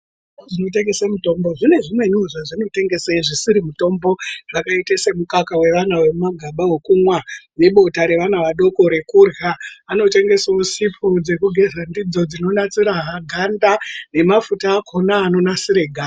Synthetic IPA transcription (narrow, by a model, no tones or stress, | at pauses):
oʐino̞te̞ŋɡe̞semuto̞mbo̞ʐine̞ʐimwe̞ɲuʐaʐino̞te̞ŋɡe̞seiʐisiɾimuto̞mbo̞ʐakaitese̞mukakawe̞ʋanawe̞maɡʱaɓawokumwaneɓo̞taɾe̞ʋanaʋaɗo̞ko̞ɾe̞kurjaːno̞te̞ŋɡe̞saosipʰud͡ze̞kuɡʱe̞zandid͡zo̞d͡zino̞nat͡siɾaɦaɡʱandane̞mafutaːkʰo̞naːno̞nasiɾe̞ɡʱa